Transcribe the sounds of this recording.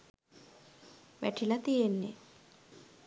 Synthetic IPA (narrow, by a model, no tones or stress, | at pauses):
ʋæ̰ʈilɐt̪ijenːḛ